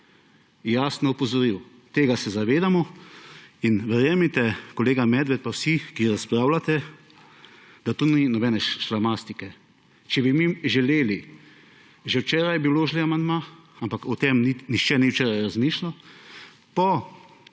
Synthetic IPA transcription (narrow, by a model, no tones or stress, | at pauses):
jaːsnɔupɔzɔɾiw | t̪eːɡasɛzaʋeːd̪amɔ | inʋɛɾjɛmit̪ɛkɔleːɡamɛd̪ʋɛt̪̚pawsikiɾaspɾaːwlat̪ɛ | d̪at̪oninɔbɛːnɛʃʃɾamast̪ikɛ | t͡ʃɛbimiʒɛleːli | ʒɛwt͡ʃɛːɾajɛbiwloʒliamand̪maampakɔt̪emninixt͡ʃɛniwt͡ʃɛːɾajɾazmiʃla | pɔ